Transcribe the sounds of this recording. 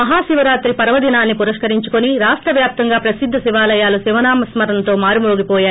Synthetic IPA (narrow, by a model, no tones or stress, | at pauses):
ɐɦaːʃiʋɐɾaːt̪ɾipɐɾɐʋɐd̪inaːnːipuɾɐʂkɐɾiɲt͡ʃukoniɾaːsʈɾɐʋjaːp̚t̪ɐŋɡaːpɾɐsid̪ʱːɐsiʋaːlɐjaːlusiʋɐnaːmɐsmɐɾɐnt̪o̞ːmaːɾimoːɡipɔːjaː